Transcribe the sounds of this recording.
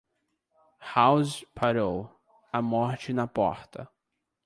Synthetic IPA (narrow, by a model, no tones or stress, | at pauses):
hawzpʰaɾow | ɐmɔɾt͡ʃɪnɐpɔ̰ɾt̪ɐ̰